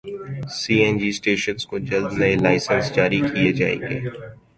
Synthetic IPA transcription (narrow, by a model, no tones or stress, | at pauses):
siːɛ̃ːnd͡ʒiːsʈeːʃənskod͡ʒəld̪nəelaːɪsənsd͡ʒaːɾikijed͡ʒa̰ːḛːŋɡḛː